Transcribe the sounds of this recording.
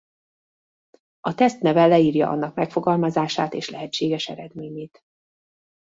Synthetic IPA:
ɒt̪ɛst̪nɛvɛlɛiːrjɒ̰ʔɒ̰nːɒkmɛkfo̞ɡɒlmɒzaːʃaːt̪eːʃlɛɦɛt͡ʃːeːɡɛʃɛ̰ɾɛd̪meːɲeːt̪

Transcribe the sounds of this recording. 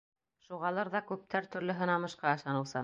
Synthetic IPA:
ʃuʁɑlˠɤɾðɑkʉp̚t̪ʰæɾt̪ɵ̆ɾlɵ̆ɦɤ̆nɑmɤ̆ʃqɑɤ̆ʃɑnɤ̆wsɤ

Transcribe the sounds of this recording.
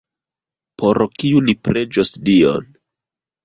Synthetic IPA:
pʰoɾkiulipɾe̞d͡ʒosdio̰n

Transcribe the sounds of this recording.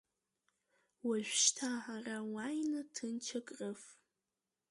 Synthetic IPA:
waʒᶣʷʃtʰaʕarawajnɨtʰɨnt͡ʃʰakʼrɨf

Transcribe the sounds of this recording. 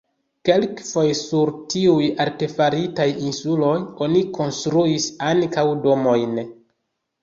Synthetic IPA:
ke̞lkfo̞jsuɾtiujaɾte̞faɾitajinsulo̞jo̞niko̞nstɾuisaŋkawdo̞mo̞jn

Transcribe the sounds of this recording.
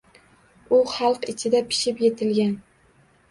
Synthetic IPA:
ʊχɑlˠqɪt͡ʃʰɪd̪apʰɪ̥ʃɪpjet̪ʰɪlɡʲan

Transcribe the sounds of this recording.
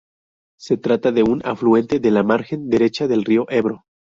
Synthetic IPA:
se̞t̪ɾat̪aðe̞una̰flue̞nt̪e̞ðe̞lamaɾxe̞nd̪e̞ɾe̞t͡ʃaðe̞lrio̞ʔe̞βɾo

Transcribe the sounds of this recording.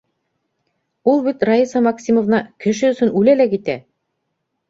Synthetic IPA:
ulˠbit̪rɑisɑmɑksʲimŏvnɑkɘ̆ʃɘɵ̆sɵnʉlælækit̪æ

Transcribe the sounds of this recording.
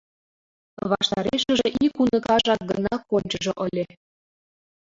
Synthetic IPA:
βɑʃt̪ɑɾeʃə̆ʒĕʔikunɤ̆kɑʒɑk̚ɡə̆nɑkːonʲt͡ɕɤ̆ʒɤ̆ʔə̆lʲe

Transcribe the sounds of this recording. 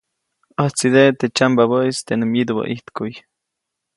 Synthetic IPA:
əht͡sid̪et̪et͡ʃambaβəist̪enɨmjid̪ubə̰ʔiht̪kuj

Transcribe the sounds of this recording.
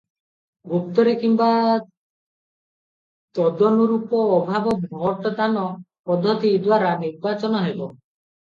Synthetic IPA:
ɡupt̪ɔɾekimba | t̪ɔd̪ɔnuɾupɔːbʱabɔbʱɔʈɔd̪anɔ | pɔd̪ʱːɔt̪id̪waɾaniɾbat͡ʃɔnɔɦebɔ

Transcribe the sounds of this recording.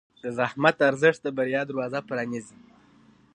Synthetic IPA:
d̪̥əzahmat̪aɾzəʂt̪d̪abaɾijɑd̪əɾwɑzapɾɑnizi

